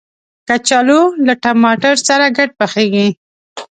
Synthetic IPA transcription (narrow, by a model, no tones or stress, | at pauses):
kat͡ʃalolaʈamɑʈaɾsaɾaɡaʈ̚pəxeɡi